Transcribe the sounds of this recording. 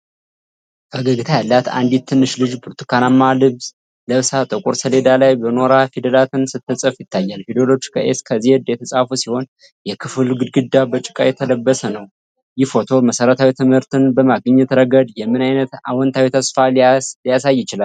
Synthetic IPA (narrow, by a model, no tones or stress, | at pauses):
fəɡəɡɨt̪ʰajalːat̪a̰nd̪it̪̚t̪ʰːɨnːɨʃlɨd͡ʒbʰuɾt̪ʰɨ̥kʰanamːalɨβz̥ | ləβsat̪ʼɨkʼuɾsəle̞d̪alajbəno̞ɾafid̪əlat̪ɨnsɨt̪ːɨsʼəfjɪt̪ʰːajːalfid̪olo̞t͡ʃːkʰəʔeskʰəzihɛd̪jɛt̪ʰəsʼafusiho̞n | jɛkʰɨfɨlɡɨd̪ɡɨd̪ːabət͡ʃʼɪ̥kʼajɛt̪ʰələbːəsənəw | jɪfo̞t̪ʰo̞məsəɾət̪ʰawit̪ʰɨmhɨɾt̪ɨnbəmaɡɨɲːɛt̪ɾəɡəd̪jɛmːɨnajnət̪a̰wɔnt̪ʰawit̪ʰəsfalijasajːɪt͡ʃɪla